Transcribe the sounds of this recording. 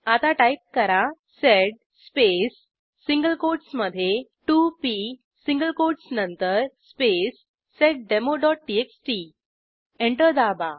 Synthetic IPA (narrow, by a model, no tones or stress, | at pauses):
at̪aʈaip̚kəɾa | seɖ̚ | spesː | iŋɡəlkoɖsməd̪ʱːjeʈupi | sĩŋɡəlkoɖsnənt̪əɾspesː | eʈ̚ɖemoɖɔʈ̚ʈieksʈi | eɳʈəɾd̪aba